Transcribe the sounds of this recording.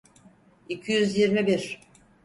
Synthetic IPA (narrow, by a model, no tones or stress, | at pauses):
icʰijyzjiɾmibiɾ̥